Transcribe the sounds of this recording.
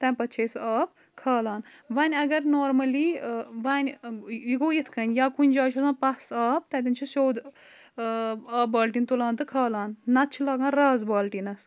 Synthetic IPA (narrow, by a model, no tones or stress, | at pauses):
t̪ɐ̃ːpɐt̪ːt͡ʃʰeːsaːp | kʰaːlaːnʋanʲɐɡɐɾnoːɾmɐliːʋanʲjiɡoːjit̪ʰkʰɐnʲjaːkunʲd͡ʒaːt͡ʃʰozãːpɐsaːp̚t̪ɐ̃t̪inʲt͡ʃʰisoːd̪ | aːbaːlʈint̪ulaːnt̪ɨkʰaːlaːnːɐt̪t͡ʃʰilaːɡãːɾaːzbaːlʈinɐs